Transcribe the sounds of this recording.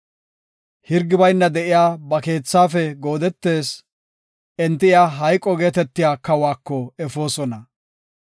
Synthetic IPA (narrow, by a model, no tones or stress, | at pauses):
hɪɾɡːɪbɐjnːɐd̪ɛʔɪjaːbɐke̞ːt͡sːaːfɛɡo̞ːd̪ɛt̪ːe̞ːs | ɛnt̪ːɪɪjaɦɐjkʼːɔɡe̞ːt̪ɛt̪ːɪjaːkɐwaːkːɔɛfo̞ːsɔnɐ